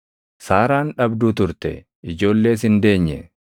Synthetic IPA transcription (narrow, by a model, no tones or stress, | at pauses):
saːɾaːnᶑɐbd̪uːt̪ʊɾt̪ɛ̰ | ɪd͡ʒo̞ːlːe̞ːs̬ɪnd̪e̞ːɲːɛ̰